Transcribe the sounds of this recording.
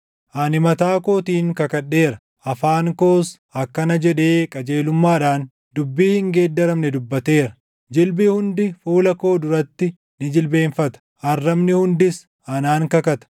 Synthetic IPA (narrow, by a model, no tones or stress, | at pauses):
ʔɐnɪmɐt̪aːko̞ːt̪iːŋkɐkɐᶑːe̞ːɾɐ | ʔɐfaːŋko̞ːs | ɐkːɐnɐd͡ʒɛᶑe̞ːkʼɐd͡ʒe̞ːlʊmːaːᶑaːn | d̪ʊbːiːhɪŋɡe̞ːd̪ːɐɾɐmnɛd̪ʊbːɐt̪e̞ːɾɐ̥ | d͡ʒɪlbɪhʊnd̪ɪfuːlɐko̞ːd̪ʊɾɐt̪ːɪ | nɪd͡ʒɪlbe̞ːnfɐt̪ɐ̥ʔɐrːɐmnɪhʊnd̪ɪs | ʔɐnaːŋkɐkɐt̪ɐ̥